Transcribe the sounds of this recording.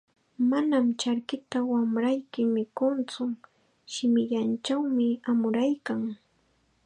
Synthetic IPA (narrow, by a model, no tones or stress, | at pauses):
manamt͡ʃaɾkɪt̪awamɾajkɪmɪkʊnt͡sʊ | ʃɪmɪʎant͡ʃawmɪamʊɾajkaŋ